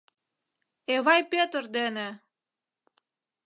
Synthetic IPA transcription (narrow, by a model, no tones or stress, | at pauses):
eβɑjpøt̪ərd̪enĕ